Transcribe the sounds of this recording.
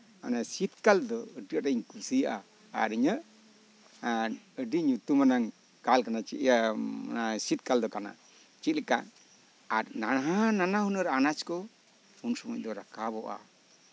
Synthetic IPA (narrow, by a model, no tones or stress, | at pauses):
a̰nasit̪kald̪ɔəɖiaʈaiɲkusijaʔa | a̰ɾəɲəʔ | əɖiɲut̪umanaŋ | kalkanat͡ʃi | asit̪̚kald̪ɔkana̰ | t͡ʃit̪̚lɛka̰ʔ | aɾnaaɦananaɦunəɾanat͡ʃkɔ | unsɔmuc̚ˀd̪ɔɾakabɔʔa̰